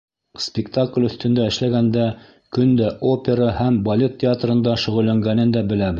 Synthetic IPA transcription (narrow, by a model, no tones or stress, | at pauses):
spʲɪkt̪aklʲɵ̆θt̪ɵ̆nd̪æɘ̆ʃlæɡænd̪æ | kɵnd̪æʔopʲeɾɑhæmbɐlʲe̞t̪ʲːɪat̪rɤ̆nd̪ɑʃɵ̆ʁɵ̆lːæŋɡænɘnd̪æbɘ̆læbɘð